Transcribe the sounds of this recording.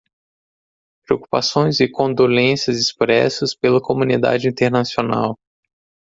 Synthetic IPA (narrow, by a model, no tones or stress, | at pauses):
pɾeoku̥pasõj̃zɪkõd̪olẽsɐzɪspɾɛ̰sɐspelɐkomũnid̪a̰d͡ʒɪĩnt̪eɾnasiona̰w